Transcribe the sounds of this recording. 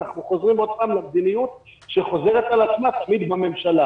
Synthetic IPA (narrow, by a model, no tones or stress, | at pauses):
aχnuχo̞zʁimo̞d̪̚paːmlamd̪inijut̪ | ʃe̞χo̞ze̞ʁet̪alat͡smat̪amid̪bame̞mʃala